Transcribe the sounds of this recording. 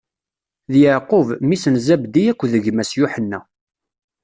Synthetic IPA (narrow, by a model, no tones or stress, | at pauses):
ðjəʕqʊvmisənzæbd̪ijækʷːðəʝmæsjʊħənːæ